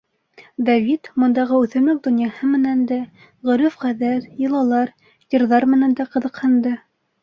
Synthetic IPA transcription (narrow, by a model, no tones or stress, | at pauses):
d̪ɑvʲit̪mŏnd̪ɑʁɤʉθɵ̆mlɵk̚d̪ŏnjɑhɤmɘ̆nænd̪æ | ʁɵ̆ɾɘfʁæðæɾjɤ̆lˠɑlˠɑɾ | jɤ̆ɾðɑɾmɘ̆nænd̪æqɤ̆ðɤ̆qhɤ̆nd̪ɤ